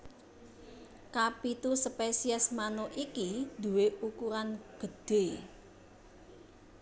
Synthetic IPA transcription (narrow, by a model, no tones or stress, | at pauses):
kapit̪usəpesiɛsmanoʔikid̪̥ṳweukuɾanɡ̥ə̤d̪̥e̤